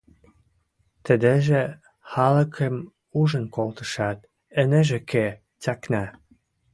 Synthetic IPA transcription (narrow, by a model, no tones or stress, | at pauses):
t̪ə̆d̪eʒĕ | xɑlə̆kʰəm | uʒə̆nkolt̪ə̥̆ʃɑt̪̚ | ənə̆ʒĕke | t͡sɑknɑ